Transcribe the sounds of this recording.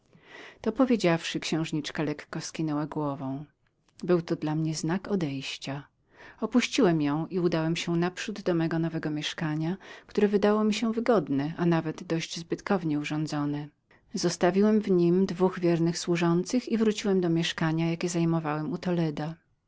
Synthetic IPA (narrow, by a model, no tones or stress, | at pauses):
t̪ɔpɔvʲjed͡ʑafʂɘkɕɛ̃w̃ʐɲit͡ʂkalɛkːɔskʲinɛwaɡwɔvɔ̃w̃ | bɘwt̪ɔd̪lamɲɛznakɔd̪ɛjɕt͡ɕa | ɔpuɕt͡ɕiwɛmjɔ̃w̃ʔiud̪awɛmɕɛnapʂud̪ːɔmɛɡɔnɔvɛɡɔmʲjɛʂkaɲakt̪uɾɛvɘd̪awɔmʲiɕɛvɘɡɔd̪nɛʔanavɛd̪d̪ɔʑd͡ʑzbɘt̪kɔvɲɛuʐɔ̃nd̪zɔnɛ | zɔst̪avʲiwɛmvɲimd̪vuɣvʲjɛɾnɘxswuʐɔnt̪sɘxivɾut͡ɕiwɛmd̪ɔmʲjɛʂkaɲajakʲɛzajmɔvawɛmut̪ɔlɛd̪a